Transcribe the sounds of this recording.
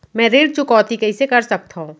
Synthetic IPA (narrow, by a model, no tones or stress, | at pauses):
mɛ̃ɾeːɽ̚t͡ʃʊkɔːt̪ikɐisekɐɾsɐk̚t̪aɦũː